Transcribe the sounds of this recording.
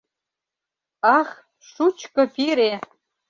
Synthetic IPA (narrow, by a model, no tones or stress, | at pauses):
ɑx | ʃut͡ɕkɤ̆piɾe